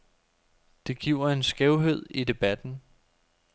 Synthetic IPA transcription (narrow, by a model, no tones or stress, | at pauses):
d̥e̝ɡ̥iʊ̰ɐe̝nsɡ̥ɛʊɦeð̞̰ˠid̥e̝b̥æd̥n̩